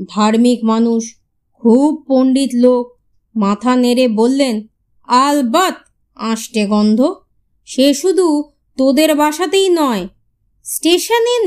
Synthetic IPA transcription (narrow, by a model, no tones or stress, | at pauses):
d̪ʱaɾmikmanuʃ | kʰub̚poɳɖit̪lok̚ | mat̪ʰaneɾebolːen | albat̪̚ | ãʃʈeɡɔnd̪ʱo | ʃeʃud̪ʱu | t̪od̪eɾbʱaʃat̪ejnɔe | sʈeʃane